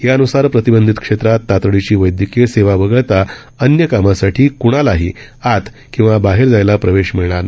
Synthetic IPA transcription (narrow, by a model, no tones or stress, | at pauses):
ɦjaənusaɾpɾət̪ibənd̪ʱit̪kʂet̪ɾat̪ːat̪ɾəɭit͡ɕiːʋəjd̪ʱjəkeseʋaʋəɡɭt̪a | ənjəkamasaʈʰiːkuɽ̃alaɦiː | at̪ | kĩw̃ʋabaɦeɾd͡zajlapɾəʋeɕmiɭɳ̃aɾn